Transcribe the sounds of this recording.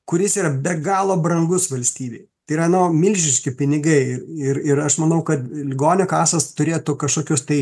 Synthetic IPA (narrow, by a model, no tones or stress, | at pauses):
kʊɾʲɪsiːɾɐbʲɛɡɑːlˠoːbɾɐŋɡʊsʋɐlʲsʲt̪ʲiːbʲeɪt̪ɐiɾɐnoːmʲɪlʲʒʲɪʃʲkʲɪpʲɪnʲɪɡɐɪɪɾɪɾɐʃmɐnɐʊkɐt̪lʲɪɡoːnʲokɑːsɐst̪ʊɾʲeːjt̪ukɐʃkoːkʲʊst̪ɐɪ